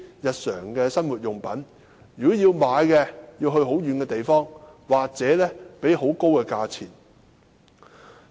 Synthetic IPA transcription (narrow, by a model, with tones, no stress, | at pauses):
jɐ˨t̚sœː˨˩ŋkɛː˧sɐ˥nwuː˨t̚jʊ˨ŋpɐ˨˥n | jy˨kɔ˨˥jiː˧wmaː˨˧jkɛː˧jiː˧wɦɵ˧ɥɦo˨˥wjyː˨˧nkɛː˧t̪e˨jfɔː˥ŋwaː˨k̚t͡sɛː˨˥lɛː˥pe˨˥jɦo˨˥wko˥wkɛ˧kaː˧t͡sʰiː˨˩n